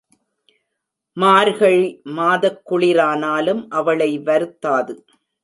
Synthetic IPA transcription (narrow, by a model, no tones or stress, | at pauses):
maːɾɣɐɭmaːðɐkːʊɭɪɾaːnaːlɯmʔɐʋɐɭɐɪʋɐɾɯt̪ːaːðɯ